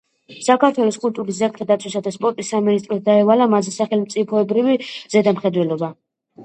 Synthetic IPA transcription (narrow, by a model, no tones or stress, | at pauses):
sakʰat̪ʰwɛlɔskʼult̪ʼuɾis̬zak̚t̪ʰad̪at̪sʰwisad̪aspʼɔɾt̪ʼisːaminis̬t̪ʼɾɔt̪̚d̪aɛvalamazɛsaχɛlmt̪sʼipʰɔɛbɾiviz̥ɛd̪amχɛd̪wɛlɔba